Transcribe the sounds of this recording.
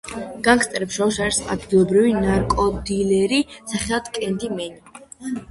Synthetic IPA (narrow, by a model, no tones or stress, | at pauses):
ɡ̥aŋkst̪ʼɛɾɛpʃɔʃaɾisa̰d̪d̪ilˠɔbɾivinaɾkʼɔd̪ilɛɾisaχɛlˠad̪kʼɛnd̪imɛni